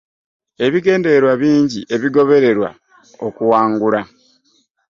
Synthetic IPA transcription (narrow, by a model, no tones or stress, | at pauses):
e̞βiɡe̞ːnde̞eɾwaβiːɲɟiʔe̞βiɡo̞βe̞ɾe̞ɾwa̰ | okuwaːŋɡula